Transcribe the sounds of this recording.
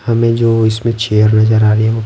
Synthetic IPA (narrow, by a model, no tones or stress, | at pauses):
hɐmẽd͡ʒoːɪsmẽt͡ʃeːjəɾnəzəɾaːɾiɛ̃ʋo